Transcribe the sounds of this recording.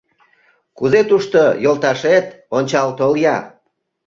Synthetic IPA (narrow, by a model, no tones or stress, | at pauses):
kuzet̪uʃt̪ojolt̪ɑʃet̪ | onʲt͡ɕɑlt̪oljɑ